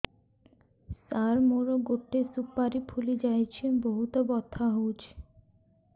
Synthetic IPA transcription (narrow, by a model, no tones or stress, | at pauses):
saɾmoɾoɡoʈːesupːaɾipʰulid͡ʑajt͡ɕʰenboɦut̪obɔt̪ʰːaɦod͡ʑ